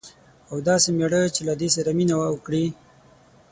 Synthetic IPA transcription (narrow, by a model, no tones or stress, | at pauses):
awd̪ɑsemeɽət͡ʃelad̪es̬aɾaminawawəkɽi